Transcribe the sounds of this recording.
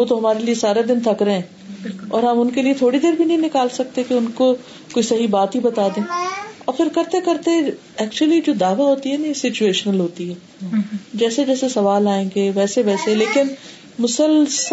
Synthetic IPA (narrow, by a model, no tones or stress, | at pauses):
ʋoːt̪oɦɐmaːɾeliesaːɾed̪ɪnt̪ʰɐkɾɐɦeɛ̃ː | ɔːɾɦɐmʊnkeliet̪ʰoːɽid̪eːɾbʱinɐɦĩnɪkaːlsɐk̚t̪ekeʊnko | koːisɐɦibaːt̪ɦibɐt̪aːd̪ẽːɔːɾfɪɾkɐɾt̪ekɐɾt̪e | ɛːkt͡ʃuəlid͡ʒoːd̪aːʋaɦoːt̪iɦɛːnajesɪt͡ʃueːʃənəlɦoːt̪iɦɛː | d͡ʒɛːsed͡ʒɛːsesɐʋaːlaːẽːŋɡeʋɛːseʋɛːseleːkɪn | mʊsəls